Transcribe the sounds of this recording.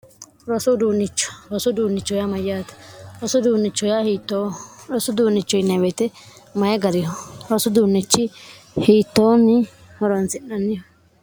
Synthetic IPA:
ɾɔsʊd̪uːnːɪt͡ʃːɔ̥ɾɔsʊd̪uːnːɪt͡ʃːɔjamɐjːaːt̪ɛ̥ɾɔsʊd̪uːnːɪt͡ʃːɔjahiːt̪ːoːɾɔsʊd̪uːnːɪt͡ʃːɔjɪnɐwɛt̪ɛ | mɐjɐɡɐɾɪjɔɾɔsʊd̪uːnːɪt͡ʃːɪ | hiːt̪ːoːmɪ | hɔɾɐnsɪnːɐnːɪjɔ

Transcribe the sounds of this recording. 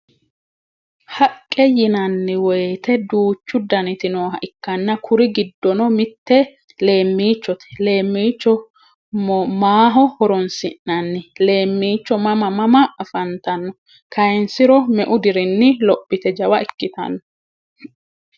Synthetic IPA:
hɐkʼːɛjɪnɐnːɪwɔjt̪ɛd̪uːt͡ʃːʊd̪ɐnɪt̪ɪnoːɦɐʔɪkːɐnːɐkʰʊɾɪɡɪd̪ːɔnɔmɪt̪ːɛ | le̞ːmːiːt͡ʃːɔt̪ɛ̥le̞ːmːiːt͡ʃːɔ | maːɦɔhɔɾɔnsɪnːɐnːɪle̞ːmːiːt͡ʃːɔmɐmɐmɐmɐːfɐnt̪ɐnːɔ | kʰɐjɛnsɪɾɔmɛʔʊd̪ɪɾɪnːɪlɔpːɪt̪ɛd͡ʒɐwɐɪkːɪt̪ɐ̰nːɔ

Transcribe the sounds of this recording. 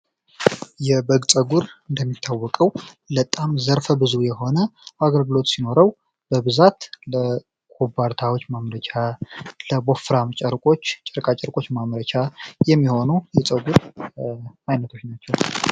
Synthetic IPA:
jɛbəɡt͡sʼəɡuɾɨnd̪əmːit̪ʰːawːɔkʼəw | lət̪ʼamzəɾfəbɨzujɛho̞nəaɡəlɡɨlo̞t̪sino̞ɾəw | b̥əbɨzat̪lə | kʰʼobːaɾt̪ʰawot͡ʃːmamɾət͡ʃʰʼaləbo̞fɾamt͡ʃʼəɾkʼo̞t͡ʃːt͡ʃʼəɾkʼat͡ʃʼəɾkʼo̞t͡ʃːmamɾət͡ʃʰʼajɛmːiho̞nujɛt͡sʼəɡuɾ | ajnət̪ʰo̞t͡ʃːnat͡ʃːɛw

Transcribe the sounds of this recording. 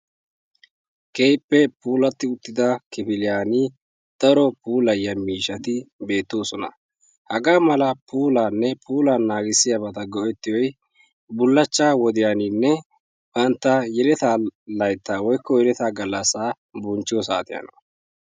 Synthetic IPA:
keːjpːɛpuːlɐt̪ːɪʊt̪ːɪd̪ɐkɪpɪlɪjaːni | d̪̥ɐɾɔpuːlɐjːɐmiːʃɐt̪ɪbe̞ːt̪ːo̞ːsɔnɐ̰ | hɐɡaːmɐlɐpuːlaːnːɛpʰuːlaːnːaːɡɪsːɪjɐbɐt̪ɐɡɔʔɛt̪ːɪjɔj | bʊlːɐt͡ʃːaːwɔd̪ɪjaːninːɛ | b̥ɐnt̪ːɐjɛlɛt̪aːlɐjt̪ːaːwɔjkːɔjɛlɛt̪aːɡɐlːɐsaː | bʊnt͡ʃːɪjɔsa̰ːt̪ɪjɐ̰nɔ

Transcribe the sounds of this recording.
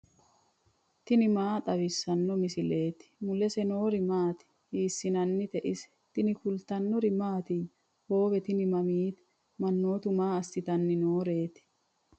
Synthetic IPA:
t̪ɪnɪmaːt̪ʼɐβɪsːɐnːɔmɪsɪle̞ːt̪ɪ̥mʊlɛsɛnoːɾɪmaːt̪ɪ̥ | hiːsːɪnɐnːɪt̪ɛʔɪsɛ̥ | t̪ɪnɪkʊlt̪ɐnːɔɾɪmaːt̪ɪ | ho̞ːbɛt̪ɪnɪmɐmiːt̪ | mɐnːo̞ːt̪ʊmaːɐst̪ɪt̪ɐnːɪno̞ːɾe̞ːt̪ɪ̥

